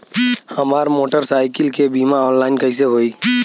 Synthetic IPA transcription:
həmaːɾmoːʈəɾsaːɪkɪlkebiːmaɔːnlaːɪnkəis̬eɦoːiː

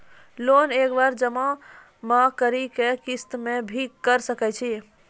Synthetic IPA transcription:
lonekbaɾd͡ʒəmã | mãkəɾikekist̪mebʱikkːəɾsəkɛt͡ʃʰi

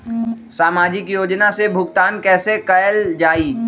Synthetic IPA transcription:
saːmaːd͡ʒɪkjoːd͡ʒnasebʱʊɡt̪aːnkɛːsekɐjəld͡ʒaːiː

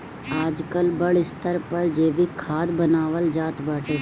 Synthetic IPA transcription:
aːd͡ʒkəlbɐɽɪst̪ʰəɾpɐɾd͡ʒeːʋikʰaːd̪bɐnaːʋəld͡ʒaːt̪baːʈeː

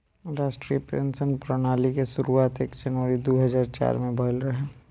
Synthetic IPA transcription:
ɾaːʃʈɾiːəpɾḛ̃nsənpɾənaːlikesʊɾuaːt̪eːkd͡ʒɐnʋəɾid̪oːɦɐzaːɾt͡ʃa̰ːɾmẽbʱəlɾɐɦẽ

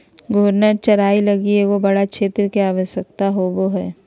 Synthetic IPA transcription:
ɡʱoːɾnət͡ʃɐɾaːilɐɡieɡobɐɽakʃʰeːt̪ɾəkeaːʋəʃjək̚t̪aɦoboɦɛː

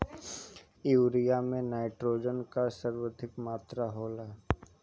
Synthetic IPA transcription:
juːɾijamẽnaːɪʈɾoːd͡ʒənkasəɾwəd̪ʱɪkmaːt̪ɾaɦoːlaː

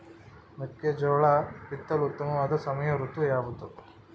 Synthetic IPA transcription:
mukjɐd͡ʒɔːɭapit̪ːɐlut̪ːɐmɐʋaːd̪ɐsɐmɐjɐɾut̪ujaːbut̪u

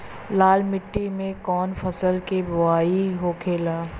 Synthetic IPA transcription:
laːlmɪʈːimẽkɔːnfɐsəlkebʊaːiɦoːkʰeːlaː

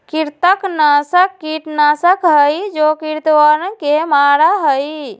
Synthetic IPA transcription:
kiɾt̪əknasəkːiʈnasəkɦəjd͡ʒokiɾt̪wəɾə̃kemaɾaɦəj

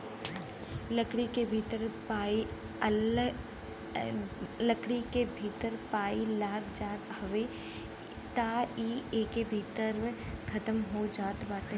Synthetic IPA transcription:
ləkɽikebʱiːt̪əɾpaːi | ləkɽikebʱiːt̪əɾpaːilaːɡd͡ʒaːt̪hɐʋe | t̪aiːeːkebʱiːt̪əɾkʰɐt̪əmɦod͡ʒaːt̪baːt̪ẽ

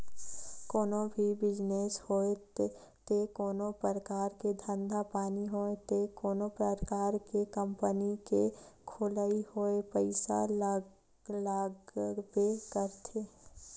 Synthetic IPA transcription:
koːnõbʱibɪd͡ʒneːshoːet | t̪ekoːnopəɾəkaːɾked̪ʱə̃nd̪ʱapaːniɦoet̪ekoːnopɾəɾkaːɾkekə̃mpənikekʰolaihoːepəɪsa̰ | laːɡbekəɾt̪ʰeː

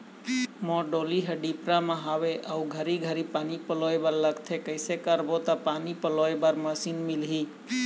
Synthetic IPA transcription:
mɔ̃ɖoliɦəɖipɾamãɦaʋeʔəuɡʱəɾiɡʱəɾipanipəloebaɾləɡt̪ʰekəjsekəɾbot̪apanipəloebaɾməsinmilɦi

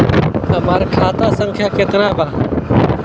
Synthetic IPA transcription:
əmaːɾkʰaːt̪aːsə̃ŋkʰjaːket̪naːbaː

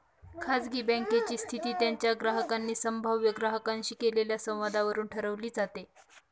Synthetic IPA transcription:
kʰat͡sɡiːbə̃ŋket͡ɕiːst̪ʰit̪iːt̪jaɲt͡ɕjaɡɾaɦəkanːiːsəmbʱaʋjəɡɾaɦəkaɲɕiːkeleljasə̃w̃ʋad̪ʱaʋəɾuːnʈʰəɾəʋliːd͡zat̪e

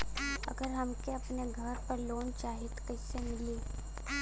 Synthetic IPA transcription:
ɐ̰ɡəɾɦɐmkeɐpneɡʱɐɾpəɾloːnt͡ʃaːɦɪt̪kɐɪsemɪli

